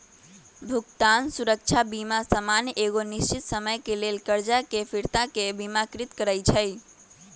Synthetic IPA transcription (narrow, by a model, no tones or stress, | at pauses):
bʱukt̪ansuɾək̚t͡ʃʰabimasəmanjeɣonist͡ʃit̪səməjkelelkəɾd͡ʒakepʰiɾt̪akebimakɾit̪kəɾəjt͡ʃʰəj